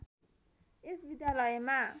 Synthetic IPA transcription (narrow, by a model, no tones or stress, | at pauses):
ʔɪsbid̪alɔema